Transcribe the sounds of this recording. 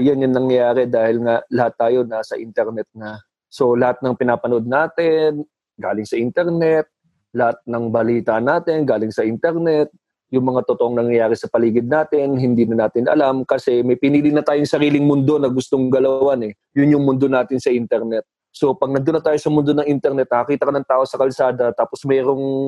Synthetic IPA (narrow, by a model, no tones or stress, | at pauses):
janjɐŋnɐŋjɐjaːɾɛd̪aːhɪlŋalɐhat̪ːaːjo̞nasɐ̰ʔɪnt̪ɛɾnɛt̪̚nɐ | so̞lɐhat̪̚nɐŋpɪnaːpɐno̞d̪̚naːt̪ɪn | ɡaːlɪŋsɐʔɪnt̪ɛɾnɛt̪̚ | lɐhat̪̚nɐŋbɐliːt̪anaːt̪ɪnɡaːlɪŋsɐʔɪnt̪ɛɾnɛt̪̚ | jʊŋmɐŋat̪ot̪oʔoŋnɐŋjɐjaːɾɛsɐpɐliːɡɪd̪̚naːt̪ɪnɦɪnd̪iːnɐnaːt̪ɪnɐ̰lamkɐsɛmɐjpɪniːlinɐt̪aːjʊŋsɐɾiːlɪŋmʊnd̪o̞nɐɡʊst̪oŋɡɐlɐwanɛ | jʊnjʊŋmʊnd̪o̞naːt̪ɪnsɐʔint̪ɛɾnɛt̪̚ | so̞pɐɡ̚nɐd̪onːɐt̪aːjo̞sɐmʊnd̪o̞nɐŋʔɪnt̪ɛɾnɛt̪̚nɐkɐkiːt̪ɐkɐnɐŋt̪aːʔo̞sɐkɐlsaːd̪ɐt̪aːposmɛːɾo̞ŋ